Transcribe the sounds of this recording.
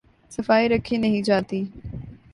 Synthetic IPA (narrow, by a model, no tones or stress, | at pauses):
sɐfaːiɾɐkʰinɐɦĩd͡ʒaːt̪iː